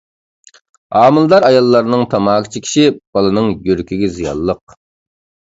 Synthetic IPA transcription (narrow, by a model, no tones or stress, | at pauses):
ɑːmɨlˠd̪ɑɾɑjɑlˠːɑɾnɨŋt̪ʰɑmɑːkʲʰit͡ʃʰikʲʰi̥ʃib̥ɑlˠɨnɨŋjyɾkʲyɡʲizijɑ̰lˠːəq̚